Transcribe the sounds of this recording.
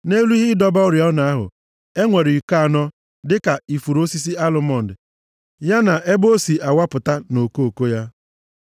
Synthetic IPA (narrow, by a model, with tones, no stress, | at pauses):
ne˦lu˦i˦ɦɪ˦dɔ˦bɔ˦ʊ˦ɾjɔ˦na˨a˦ɦʊ̰˨ | e˦ŋʷe˨ɾi˨ka˦a˨nɔ˦ | dɪ˦ka˨i˨fu˨ɾo˦si˦s̬i˦a˦lʊ˦mɔ˦˨n̩˨dɪ˨ | ja˦na˨ʔe˦bo˦si˨a˨wa˦pʊ˨ta˦no˨ko˦o˨ko˦ja˦